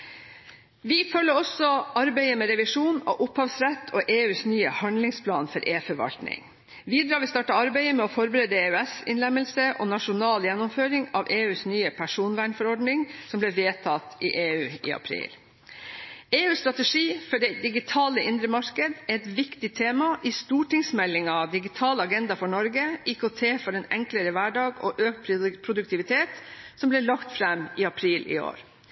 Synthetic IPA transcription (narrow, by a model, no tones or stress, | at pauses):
ʋɪfœlːəɾɔsɔɑɾbæɪəmɛːɾɛʋɪʂuːno̰ʔʊphɑːʋsɾɛt̪ʰːoʔeːʉːsnyːəhɑnd̪lɪŋspʰlɑːnfɔɾʔeːfɔɾʋɑ̰lt̪nɪ̰ŋ | ʋiːd̪ɾɑːɾʋɪst̪ɑːʈɑɑɾbæɪəmɛɔfɔɾbɾeːd̪əeːʉɛsɪ̰nlɛmːəlsəʔɔ̰nɑʂʊnɑːljɛnːʊmføːɾɪŋɑʋeːʉːsnyːəpʰæʂuːnʋæːɳfɔɾɔɖnɪŋsɔmblɛʋeːt̪ʰɑt̪ɪʔeːʉːɪ̰ːɑ̰pʰɾḭːl | eːʉːst̪ɾɑt̪əɛʂiːfɔɖɛɪd̪ɪɡɪt̪ʰɑːləɪnd̪ɾəmɑɾkəd̪ɛɾɛt̪ʋɪkt̪ɪt̪ʰeːmɑʔɪst̪uːʈɪŋsmɛlːɪŋɑd̪ɪɡɪt̪ʰɑːləɑɡɛnd̪ɑfɔɳɔɾɡəʔiːkot̪ʰeːfɔɾɛnɛ̰ŋkləɾəʋæɖɑːɡɔʔøːk̚t̪pʰpʰɾʊd̪ʉk̚t̪ʰɪʋɪt̪ʰeːt̪sɔmblɛɭɑkt̪fɾɛmɪːɑpʰɾiːlʔɪ̰o̰ːɾ